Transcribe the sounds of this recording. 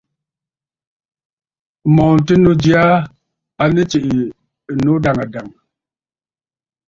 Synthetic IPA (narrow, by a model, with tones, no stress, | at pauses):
mɔ˨n˨ti˦nu˦d͡ʒi˦a˦ | a˨ni˦t͡ʃi˨ʔi˨ | no˦da˨ŋa˨da˨ŋ